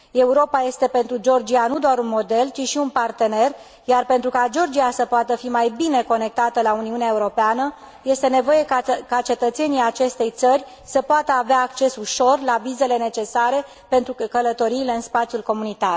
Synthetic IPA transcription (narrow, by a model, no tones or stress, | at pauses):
e̞uɾo̞paje̞st̪e̞pe̞nt̪ɾud͡ʒo̞rd͡ʒianud̪oaɾunmo̞d̪e̞lt͡ʃiʃiunpart̪e̞ne̞r | jarpent̪ɾukad͡ʒo̞rd͡ʒiasəpoat̪əfimajbine̞ko̞ne̞k̚t̪at̪əlauniuneae̞uɾo̞peanə | je̞st̪e̞ne̞vo̞je̞kat͡ʃe̞t̪ət̪se̞nijat͡ʃe̞st̪e̞jt̪sərʲ | səpoat̪əaveaːkt͡ʃe̞suʃo̞rlavize̞le̞ne̞t͡ʃe̞saɾe̞ | pe̞nt̪ɾukələt̪o̞ɾiːleɨnspat̪sijulko̞munit̪ar